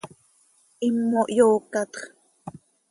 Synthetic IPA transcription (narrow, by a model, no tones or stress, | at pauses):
ʔimːoʔjoːkɑt̪χ